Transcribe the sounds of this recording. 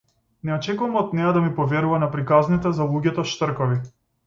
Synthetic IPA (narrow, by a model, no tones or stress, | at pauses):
nɛɔt͡ʃɛkuvamɔt̪nɛjad̪amipɔvɛɾuvanapɾikaznit̪ɛzalˠuɟɛt̪ɔʃt̪r̩kɔvi